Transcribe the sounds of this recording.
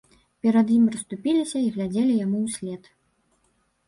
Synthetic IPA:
pʲɛɾɐd̪jimrɐst̪upʲilʲisʲɐiɣlʲad͡zʲelʲijamuwsʲlʲɛt̪

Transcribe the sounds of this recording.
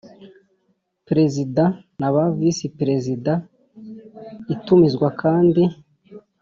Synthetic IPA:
pɾe̞zida | naβavisipɾe̞zida | itumizɡwakʰaːndi

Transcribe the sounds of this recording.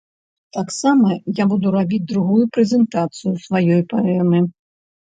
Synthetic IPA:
t̪aksamɐjabud̪uɾabʲid͡zʲd̪ɾuɣujupɾɛzʲɛnt̪at̪sɨjusvajɔjpaɛmɨ

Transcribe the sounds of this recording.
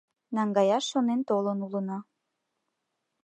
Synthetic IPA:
nɑŋɡɑjɑʃːonent̪olənulənɑ

